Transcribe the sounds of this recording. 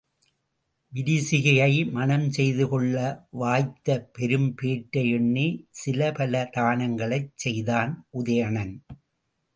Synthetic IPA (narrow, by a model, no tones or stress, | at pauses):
ʋɪɾɪsɪɣɐjɐɪmɐnɐmsɛjðɯkɔɭːɐʋaːjt̪ːɐpɛɾɯmpeːʈːɐjɛɳːisɪlɐpɐlɐt̪aːnɐŋɡɐɭɐɪt͡ʃsɛjðaːnʔʊðɐjɐɳɐn